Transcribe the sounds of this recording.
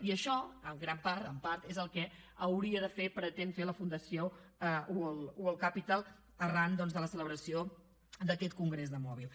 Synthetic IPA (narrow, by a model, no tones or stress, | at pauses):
iəʃɔəmɡɾampaɾt̪əmpaɾt̪ezəlˠkɛəwɾiəðəfepɾət̪enfeləfund̪əsioəuəlˠuəlˠkapit̪alˠ | ərand̪ɔnzðələsələβɾəsio | d̪əkɛt̪kuŋɡɾezðəmɔβilˠ